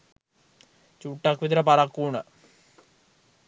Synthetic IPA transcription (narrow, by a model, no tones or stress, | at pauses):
t͡ɕuːʈːɐkʋit̪ɾɐpɐɾɐkːuːɳə